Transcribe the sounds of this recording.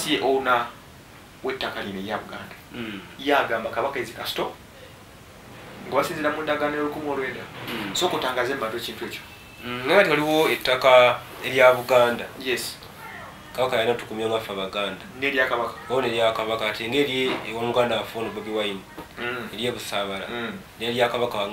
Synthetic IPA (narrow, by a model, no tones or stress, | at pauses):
sijeʔouna | we̞tːakalimeɾjaβuɡaːndajaːɡaːmbakaβakaezikasi̥to | ŋɡoβasiːziɾamuːndaɡanejolukumwo̞ːlwe̞ːndaso̞ːkutaːŋɡaːzeːmumatociːntwe̞ːco | neŋɡatialiwo̞etːaka | e̞ɾjaβuɡaːndajes | kaβakajanatukumjaŋɡafaβaɡaːndaŋɡeɾjakaβakḁoneɾjakaβakateŋɡe̞ːɾewomuɡaːndaafonoβaβiwaimueɾje̞ːβusaːβala̰ | neɾjakaβaka